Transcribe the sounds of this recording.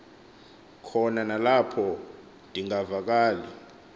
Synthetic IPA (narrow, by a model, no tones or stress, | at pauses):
kʰɔnanalapʰɔ | dʱʼiŋavak̬aːli